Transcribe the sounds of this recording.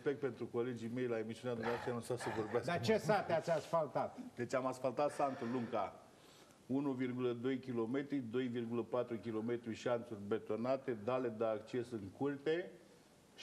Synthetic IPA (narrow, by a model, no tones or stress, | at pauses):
spek̚t̪̚pe̞nt̪ɾuko̞le̞d͡ʒime̞jlae̞misiunad̪umneavast̪ɾeanunsasəvo̞rbeasd̪at͡ʃe̞sat̪eat̪sʲasfalt̪at̪d̪e̞t͡ʃʲamasfalt̪at̪sant̪luŋka | unuvirɡuləd̪o̞jkʲilo̞me̞t̪ɾid̪o̞jvirɡuləpat̪ɾukʲilo̞me̞t̪ɾiʃiant̪surʲbet̪o̞nat̪e̞d̪ale̞d̪əakt͡ʃe̞sɨŋkult̪e̞